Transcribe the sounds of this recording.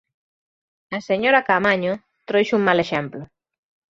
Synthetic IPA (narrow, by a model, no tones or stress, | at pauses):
ɐseɲoɾakamaɲʊ | t̪ɾojʃuŋmaleʃɛmplʊ